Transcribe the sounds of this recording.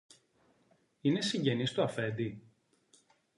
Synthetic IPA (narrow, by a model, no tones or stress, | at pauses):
ine̞siɲɟe̞nist̪uɐfe̞d̪i